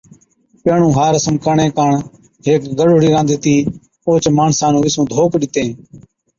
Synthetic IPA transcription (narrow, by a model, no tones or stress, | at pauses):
peːɳũːɦaːɾəsəmkəɳẽːkaːɳ | ɦeːkɡəɗʊɽiːɾãːnd̪iːt̪iː | oːt͡ʃmaːɳsãːnũːʋɪsũːd̪ʱoːkɗɪt̪ẽː